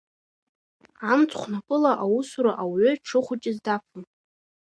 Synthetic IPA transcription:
amt͡sʰʼχʷnakʼɨlaʔawusuɾaʔawʏʈ͡ʂʰɨχʷʊt͡ʃʼɪzdafʰɨn

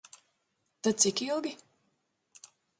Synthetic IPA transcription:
t̪at̪sikilˠɡʲi

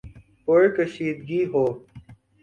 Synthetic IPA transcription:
poekəʃiːd̪ɡiːɦoː

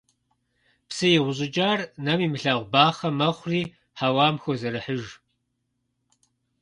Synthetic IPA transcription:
psɨjɪʁʷʊʑʼɪd͡ʒaːrnɐmiːmɨɬaːʁʷbaːχɐmɐχʷʊriː | ħawaːmxʷozɐɾɨħəʒ

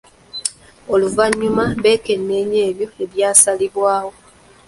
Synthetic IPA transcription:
o̞luvaɲːumaβe̞ːke̞nːe̞ːɲeːβjo̞e̞βjaːsaliβwaːho̞

